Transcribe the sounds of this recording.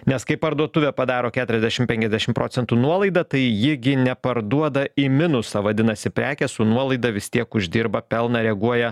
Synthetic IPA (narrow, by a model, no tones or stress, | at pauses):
nʲɛskɐɪpɐɾd̪uɔt̪ʊʋʲɛpɐd̪ɑːɾoːkʲæːt̪ʊɾʲɛzd̪ʲɛʃʲɪmpʲɛŋʲkʲɛzʲd̪ʲæʃʲɪmpɾo̰ːtt͡s̪ʲɛnt̪uːnuɔlˠɐɪd̪ɐt̪ɐɪjɪɡʲɪnʲɛpɐɾd̪uɔd̪ɐɪmʲɪnʊsɐʋɐd̪ʲɪnɐsʲɪpʲɾʲæːkʲɛsʊnuɔlˠɐɪd̪ɐʋʲɪst̪ʲiɛkʊʒʲd̪ʲiɾbɐpʲɛlˠnɐɾʲɛɡuɔjɛ